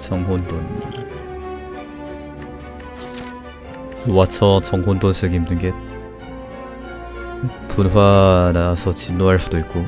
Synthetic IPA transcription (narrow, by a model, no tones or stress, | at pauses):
t͡ɕʌŋɦondon | wat͡sʰʌt͡ɕʌŋɦondonsʰɯɡimdɯŋɡe | pʰunɸwanasʰʌt͡ɕinːoɦaɭs͈udoik̚k͈o